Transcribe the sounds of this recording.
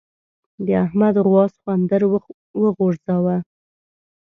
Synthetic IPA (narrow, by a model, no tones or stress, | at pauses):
d̪əahmad̪ʁwɑsxwand̪əɾ | wəɣoɾzawa